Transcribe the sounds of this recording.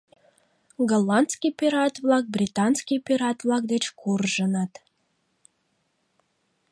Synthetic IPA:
ɡalɑnt̪skijpʲiɾɑt̪vlɑk̚brʲit̪ɑnskipʲiɾɑt̪βlɑk̚d̪et͡ɕkʰurʒənət̪

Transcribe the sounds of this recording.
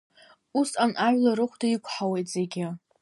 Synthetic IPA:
usanʔaɥlaɾɨχʷdaikʷʰħawejtʼz̥e̞ɡʲɪ

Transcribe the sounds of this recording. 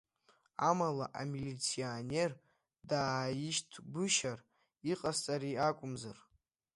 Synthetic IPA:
amalaʔamilit͡sʰione̞r | daːjiʃtʰbɨʃar | iqʼast͡sʼaɾiakʷʼʊmzar

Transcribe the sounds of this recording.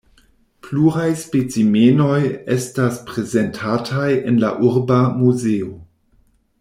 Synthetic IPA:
pluɾajspet͡simeno̞jestaspɾeze̞ntʰatʰaje̞nla̰ʔuɾbamuzeo

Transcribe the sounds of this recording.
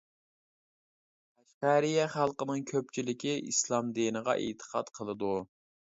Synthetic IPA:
æʃqæɾijɛχælˠqənɨŋkʲʰøp̚t͡ʃʰilɪkʲiʔislˠɑmd̪inəʁɑ̰ʔḛt̪ʰə̥qʰɑt̪qʰəlˠɨd̪u

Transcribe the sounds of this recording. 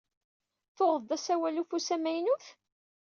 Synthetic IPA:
θoʁəðd̪æsæwælufusæmæjnuθ

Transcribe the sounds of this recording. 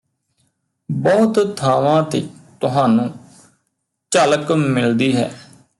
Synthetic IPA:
bɔːt̪t̪ʰaːʋãːt̪ḛːt̪ʊɦãːnũː | t͡ʃaːləkmɪld̪iːɦɛ̰ː

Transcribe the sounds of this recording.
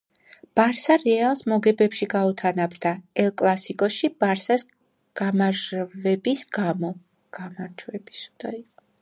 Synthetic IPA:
b̥aɾsaɾɛalˠsmɔɡɛbɛpʃiɡaut̪ʰanabɾd̪aɛlˠkʼlˠasikʼɔʃib̥aɾsas | ɡ̥amaʒvɛbisɡamɔ | ɡ̥amaɾd͡ʒwɛbisu̥d̪̥aiqʼɔ

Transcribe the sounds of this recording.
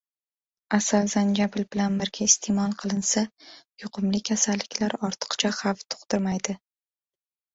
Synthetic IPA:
asalzand͡ʒabɪlbɪlanbɪɾɡʲaɪst̪ʰemɒlˠqʰɨlˠɪnsajʊqʰʊmlɪkʲʰasalːɪkʲlaɾɒɾt̪ʰɨ̥qt͡ʃʰaχɑft̪ʰʊ̥qt̪ɪɾmajd̪ɪ

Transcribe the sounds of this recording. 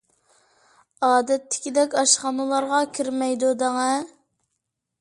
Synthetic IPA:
ɑːd̪ɛt̪ʰːɪ̥kʲid̪ɛkʲɑʃχɑnɨlˠɑɾʁɑkʲʰiɾmɛjd̪ud̪ɛŋɛ

